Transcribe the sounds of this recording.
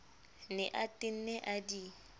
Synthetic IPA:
nɪʔatʼɪn̩nɛʔadi

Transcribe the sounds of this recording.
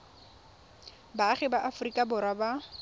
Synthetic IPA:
baːχɛbaʔafʊrikʼabʊɾwaba

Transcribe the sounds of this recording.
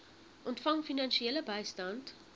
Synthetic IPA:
ʔɔntfɐŋfinɐnsiɛləbɐɪstɐnt

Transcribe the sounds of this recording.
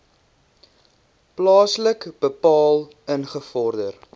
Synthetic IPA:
plɑːsləkb̥əpɑːl | ənχəfɔrdər

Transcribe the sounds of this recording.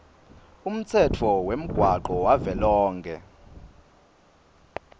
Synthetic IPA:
um̩t͡sʰɛtʰɔwem̩ɡ̥ʱwaǃɔwavɛlɔːŋkʰɛ̰

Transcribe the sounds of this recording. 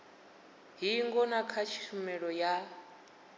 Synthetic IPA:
ɦiŋɡɔnakʰat͡ʃʰi̥ʃumɛɺɔja

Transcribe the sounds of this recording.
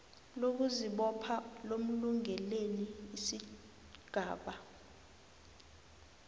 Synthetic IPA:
lok̬uziɓɔpʰalom̩luŋʱɛleliːsi | ɡ̥ʱaːɓa

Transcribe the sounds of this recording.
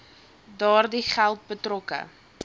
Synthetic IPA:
dɑːrdiχælˠt̚bətrɔkə̰

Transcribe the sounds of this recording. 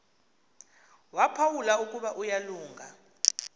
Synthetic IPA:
wapʰawulauk̬ʼuɓaʔujaluːŋɡʱa

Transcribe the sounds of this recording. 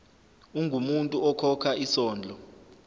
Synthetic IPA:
uŋʱumuntʼuɔkʰɔkʰaʔisɔːnd͡ɮʱɔ

